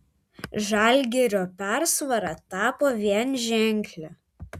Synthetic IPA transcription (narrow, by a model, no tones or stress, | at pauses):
ʒɐˑlʲɡʲɛɾʲoːpʲæɾsʋɐɾɑt̪ɑːpoːʋʲiɛnʒʲæˑŋʲklʲæ